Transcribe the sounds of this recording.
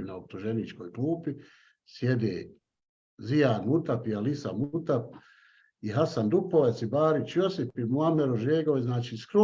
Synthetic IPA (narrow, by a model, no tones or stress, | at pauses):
naop̚t̪uʒenit͡ʃko̞ːjkluːpi | sjed̪ḛː | zijaːnmut̪apialisa̰mut̪ap̚ | iɦasand̪upoʋet̪sibaːɾit͡ʃjosipimuameɾoʒeːɡoʋeznaːt͡ʃiːskɾo